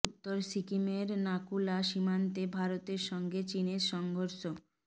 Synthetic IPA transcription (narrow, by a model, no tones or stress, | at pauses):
ut̪ːoɾsikimeɾnakulaʃimant̪ebʱaɾot̪eɾʃɔŋɡet͡ɕineɾʃɔŋɡʱoɾʃo